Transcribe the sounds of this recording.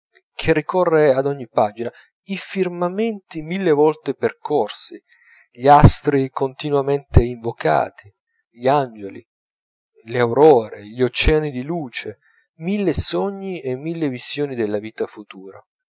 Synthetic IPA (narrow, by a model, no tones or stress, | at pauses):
kʰerːikɔrːead̪ɔɲːipad͡ʒina | ifirmament̪imilːevɔlt̪eperkɔrsi | ʎiast̪ɾikont̪inwament̪eiɱvoka̰ːt̪ʰi | ʎiand͡ʒelḭ | leawɾɔːɾeʎiot͡ʃːɛːanid̪iluːt͡ʃe | milːesɔɲːiemːilːevizjoːnid̪elːaviːt̪afut̪uːɾa